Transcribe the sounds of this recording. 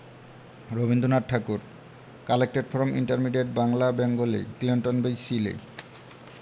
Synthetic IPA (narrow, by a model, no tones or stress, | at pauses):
ɾobind̪ʱonaʈ̚ʈʰakuɾ | kalek̚ʈeʈfɔɾomʔḭɳʈaɾmiɖeʈ̚baŋlabɛŋɡolḛkliɳʈonbejsilḛ